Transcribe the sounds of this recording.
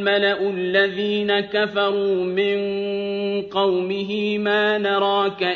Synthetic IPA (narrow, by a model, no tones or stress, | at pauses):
malaʔʊalːaðiːnakafɑɾˤuːmɪn | qɑwmɪɦɪmaːnɑɾˤɑːka